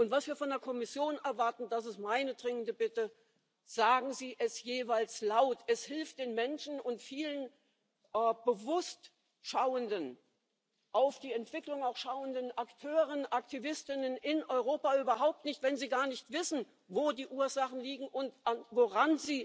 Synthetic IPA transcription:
ʔʊntv̥asv̥iːɐfɔndeɐkʰɔmɪsjoːnɛɐvaɐtn̩dasɪstmaɪnədʁɪŋəndəbɪtə | z̥aːɡŋ̩ziːʔɛsjeːvaɪlslaʊtʰɛshɪlft̚d̥eːnmɛnʃn̩ʊntfiːlən | ʔɛːb̥əvʊst | ʃaʊəndən | ʔaʊfd̥iːɛntv̥ɪklʊŋaʊxʃaʊəndənʔaktʰøːʁ̞ənʔaktʰivɪstɪnənʔɪnʔɔʏʁ̞oːpaʔyːbɐɦaʊp̚tnɪçtv̥ɛnziːɡaːɐnɪçtv̥ɪsn̩ | voːdiːʔuːɐzaχn̩liːɡŋ̩ʔʊntanvoʁanziː

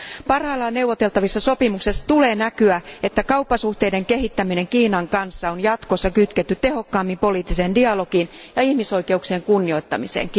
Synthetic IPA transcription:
pɑrhɑːlːɑne̞wʋot̪e̞lt̪ɑʋisːɑso̞pimuksest̪uleːnækyæet̪ːækɑupːɑsuht̪eideŋkehit̪ːæmineŋkiːnɑŋkɑnsːɑonjɑt̪kosːɑkyt̪ket̪ːyt̪t̪eho̞kːɑːmːimpo̞liːt̪ːisendiɑlo̞kinjɑihmiso̞ike̞uksieːŋkunːioit̪ːɑmisḛːŋkː

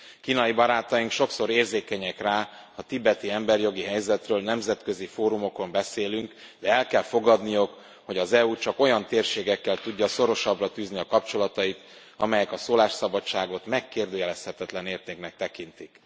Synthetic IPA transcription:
kiːnɒibɒɾaːt̪ɒjiŋkʃo̞kso̞ɾeːrzeːkɛɲɛkraː | ɒt̪ibɛt̪iɛmbɛrjo̞ɡiɦɛjzɛt̪røːlnɛmzɛt̪kø̞zifoːɾumo̞ko̞mbɛseːlyŋk | d̪ɛɛlkɛlfo̞ɡɒd̪nijok | ho̞ɟɒzɛut͡ʃɒko̞jɒnt̪eːrʃeːɡɛkːɛlt̪uɟːɒso̞ɾo̞ʃɒbrɒt̪yːzniɒkɒpt͡ʃo̞lɒt̪ɒit̪ | ɒ̰mɛjɛkɒsoːlaːʃsɒbɒt͡ʃːaːɡot̪mɛkːeːrd̪øːjɛlɛshɛt̪ɛt̪lɛneːrt̪eːknɛk̚t̪ɛkint̪ik

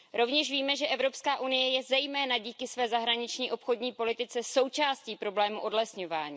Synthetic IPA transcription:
ɾo̞vɲɛʃviːmɛʒɛʔɛvɾo̞pskaːʔunɪjɛjɛzɛjmɛːnaɟiːkɪsvɛːzaɦɾaɲɪt͡ʃɲiːʔo̞pxo̞dɲiːpo̞lɪt̪ɪt͡sɛso̞wt͡ʃaːsciːpɾo̞blɛːmuʔo̞dlɛsɲo̞vaːɲiː

